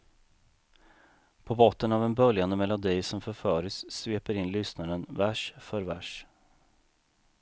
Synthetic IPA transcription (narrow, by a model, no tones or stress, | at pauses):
pʰɔbɔt̪ːənavɛnbœljand̪əmɛlːʊnd̪ijsɔmfœɾfœːɾɪsːveːpəɾɪnlʏsnad̪ənvæʂfœɾvæ̰ʂ